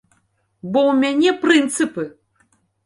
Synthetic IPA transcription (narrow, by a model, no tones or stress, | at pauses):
bɔwmʲanʲɛpɾɨnt̪sɨpɨ